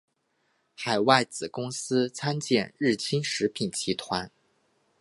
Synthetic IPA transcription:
xa˨˩ɪwa˥˩ɪt͡sɹ̩˨˩kʊ˥ŋsɹ̩˥t͡sʰa˥nt͡ɕjɛ˥˧nɻɻ̩˥˩t͡ɕʰi˥nʂɻ̩˧˥pʰi˨˩nt͡ɕʰi˧˥t̪ʰwa˧˥n

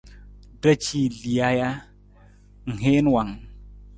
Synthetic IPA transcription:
də˦t͡ʃi˦li˨ja˦ja˦ | ŋ̩˨ɦe˦n˦wa˨ŋ

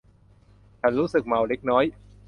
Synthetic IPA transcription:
t͡ɕʰa˦˥nɾuː˦˥sɯ˨˩k̚ma˨˩wle˦˥k̚nɔː˦˥j

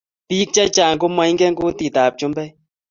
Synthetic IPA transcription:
pi˦k̚t͡ʃa˦t͡ʃa˨ŋ˨ko˦ma˨jŋ˦ɡɛ˦ŋku˦ti˨taː˨p̚t͡ʃu˦mbɛ˦

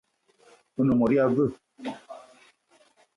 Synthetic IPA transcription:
u˦nũ˨mɔ˨ɾi˦a˧və˦

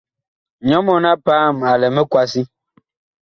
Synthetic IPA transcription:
ɲɔ˨˦mɔ˦na˦paː˦˨ma˨lɛ˨mɛ˦kwa˦si˦

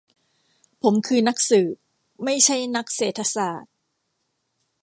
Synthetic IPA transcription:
pʰo˩˦mkʰɯː˧na˦˥k̚sɯː˨˩ | ma˥˩jt͡ɕʰa˥˩jna˦˥k̚seː˨˩t̪ʰːa˧saː˨˩t̪̚

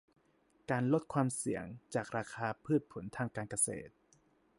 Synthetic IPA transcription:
kaː˧nlo˦˥t̪̚kʰwaː˧msi˨˩˦əŋt͡ɕaː˨˩k̚ɾaː˧kʰaː˧pʰɯː˥˩t̪̚pʰo˨˩˦nt̪ʰaː˧ŋkaː˧nka˧sḛː˨˩t̪̚

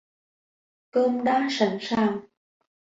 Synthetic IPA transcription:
koː˧mɗaː˨˦˥sa˨˧˩ŋsaː˧˩w

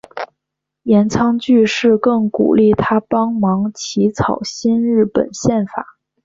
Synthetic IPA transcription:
jɛ˧˥nt͡sʰɑ˧˥ŋt͡ɕy˥˧ʂɻ̩˥˧kɤ˥˩ŋkṵ˨˩li˥˩t̪ʰa˥pɑ˥ŋmɑ˧˥ŋt͡ɕʰi˧˥t͡sʰɑ˨˩ʊɕi˥nɻɻ̩˥˩pə̰˨˩nɕjɛ˥˩nfa̰˨˩˦

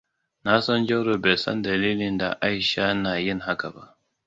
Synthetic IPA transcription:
na˦sɔ˦nd͡ʒɛ˦ɽo˨beː˨sɔ̰˦ndɐ˨liː˦lɪ˨nda̰˨ʔa˦jʃaː˦naː˨jɪ˦ŋɦa˦ka˨ba˦ʔ

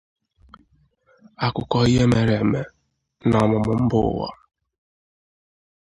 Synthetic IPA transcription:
a˨kʊ˨kɔ˨i˦ɦe˦me˨ɾe˨me˦ | na˨mʊ˨mʊ˨m̩˦bʊ̰˦˨wɔ̰˦

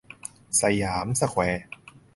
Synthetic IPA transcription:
sa˧jaː˩˦msa˧kʰwɛː˨˧˦

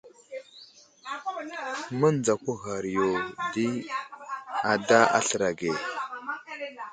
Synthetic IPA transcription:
mə˦nd͡za˨kʷu˦ɣa˨ɾi˨jo˨di˦ | a˨da˦a̰˦ɬə˨ɾa˨ɡe˨

